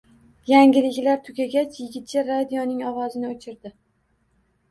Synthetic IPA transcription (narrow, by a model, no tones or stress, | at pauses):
jaŋɡʲɪlɪkʲlaɾt̪ʰʊɡʲaɡʲat͡ʃʰjɪɡʲɪt̪̚t͡ʃʰaɾad̪ijɒnɪŋɒwɒzɪnɪot͡ʃʰɪɾd̪ɪ